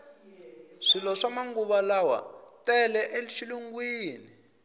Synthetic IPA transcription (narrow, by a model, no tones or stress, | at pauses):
ʂilɔʂamaŋɡuβalawa̰tɛlɛʔeliʃiluŋɡwiːni